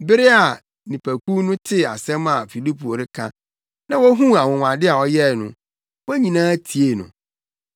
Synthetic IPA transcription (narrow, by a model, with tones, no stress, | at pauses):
bɪ˦ɾɪ˦a˨ | nĩ˨pʰæ˨kʰu˦nʊ̃˦tʰɪ˦a̰˨sɛ̃˦ma˨fi˨li˦pʰu˨o˨ɾɪ˦kʰã̰˦ | nã˦wɔ˦ɦũ˦a˨wɔ̃˨ŋʷ˨ã˨dɪ˦a˨ɔ˦jɛ˦˨nʊ̰̃˨ | wɔ˦ɲĩ˨nãː˦tʰi˨e˦˨nʊ̰̃˨